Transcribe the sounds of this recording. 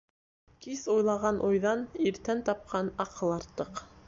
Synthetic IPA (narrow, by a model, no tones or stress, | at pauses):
kisujlˠɑʁɑnʔujðɑniɾt̪ænt̪ɑp̚qɑnɑqɤ̆lˠɑɾt̪ːɤq